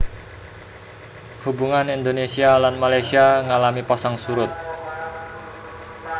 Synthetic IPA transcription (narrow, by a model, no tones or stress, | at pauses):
hubuŋanind̪onesialanmalajsiaŋalamipasaŋsuɾʊt̪̚